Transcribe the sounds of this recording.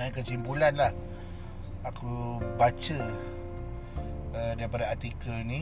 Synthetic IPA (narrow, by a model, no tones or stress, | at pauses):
akəsimpulanlah | akubat͡ʃə | ədaɾipadaat̪ikəni